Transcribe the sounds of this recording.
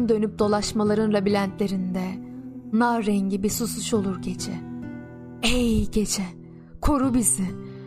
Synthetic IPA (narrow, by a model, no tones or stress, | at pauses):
nd̪ø̞nyp̚d̪̥o̞lˠaʃmalˠaɾɯnɾabilʲænt̪lʲe̞ɾind̪ɛnaɾɛɲɟibisusuʃo̞lˠuɾɟe̞t͡ʃʰɛ | ejɟe̞t͡ʃʰɛ | kʰoɾubizi